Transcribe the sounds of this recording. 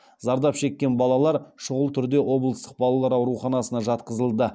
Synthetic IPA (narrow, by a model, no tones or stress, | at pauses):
zɑɾd̪ɑpʃe̞kʲːe̞nbɑlˠɑlˠɑɾʃʊʁəlˠt̪ʰʏɾd̪e̞wʔo̞blˠəst̪əq̚bɑlˠɑlˠɑɾɑwɾuχɑnɑsənɑʒɑt̪qəzəlˠd̪ə